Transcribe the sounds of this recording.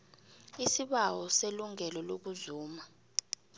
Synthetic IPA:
isiɓawɔseluŋɛlɔlok̬uzuːma

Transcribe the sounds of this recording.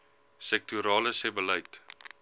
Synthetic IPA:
sɛk̚tuɾɑːləsɛbələjt

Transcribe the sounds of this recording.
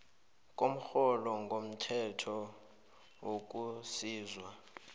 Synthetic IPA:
k̬ʼom̩xɔlɔŋɡʱom̩tʰɛtʰɔ | wok̬ʼusiːzwa

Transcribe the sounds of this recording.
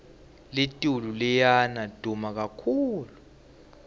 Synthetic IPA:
litʼululɛjanad̥ʱumak̬akʰuːlu

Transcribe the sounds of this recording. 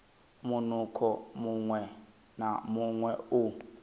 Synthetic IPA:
mʊnʊkʰɔmʊŋwɛ | namʊŋwɛʊ

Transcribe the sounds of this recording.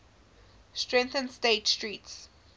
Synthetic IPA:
stɹɛ̃ŋkθə̃nstetstɹiːts

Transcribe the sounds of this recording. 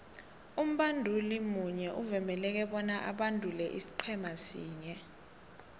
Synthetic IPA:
um̩ɓandʱulimuɲɛʔuvɛmɛlɛk̬ɛɓɔnaʔa̰ɓandʱulɛʔḭsi̥ǃʰɛmasiːɲɛ

